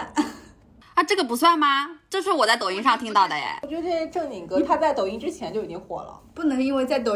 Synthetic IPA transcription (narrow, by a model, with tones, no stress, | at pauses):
a˥˧ʈ͡ʂɤ˥˩ɡə˩p̬u˧˥swa˥˩nmɐ˩ʈ͡ʂʂɻ̩˥˩wɔ˨˩t͡sa˥˩t̪o˨˩ʊi˥ŋʂɑ˥˧ŋt̪ʰi˥ŋt̪ɑ˥˩ʊd̪ə˩jɛ̰˨˩t͡ɕɥɛ˧˥ə˧˥e˥˩˧ʈ͡ʂɤ˥˩ŋni˨˩ŋkɤ˧˥t̪ʰa˥t͡sa˥˩ɪt̪o˨˩ʊi˧˥˩ŋʈ͡ʂɻ̩˥t͡ɕʰjɛ˧˥nt͡ɕjo˥˩ʊi˨˩t͡ɕi˥ŋxwɔ̰˨˧˩lə̰˧pu˥˩nɤ˧˥ŋi˥nwe˥˧ɪt͡sa˥˩ɪt̪o˨˩